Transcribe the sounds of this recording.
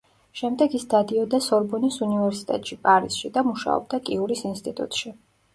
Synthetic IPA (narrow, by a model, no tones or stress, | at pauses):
ʃɛmd̪ɛɡisd̪ad̪iɔd̪asɔɾbɔnisunivɛɾsi̥t̪ʼɛ̰t̪ʼʃipʼaɾisʃid̪amuʃa̰ɔ̰b̚d̪akʼiuɾisinst̪ʼit̪ʼṵt̪ʼʃi